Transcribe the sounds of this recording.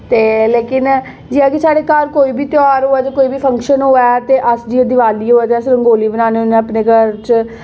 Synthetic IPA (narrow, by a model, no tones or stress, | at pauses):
t̪eːleːkɪn | d͡ʒiːaːkesaːɽeːkəɾkoːiːbʱiːt̪jɔːɾɦoːɛːt̪eːkoːiːbiːpʰəŋkʃənɦoːɛːt̪eːʔəsd͡ʒiːəd̪iʋaːliːɦoːɛːt̪eːəsɾəŋɡoːliːbənaːneːʊnẽəpneːkəɾt͡ʃ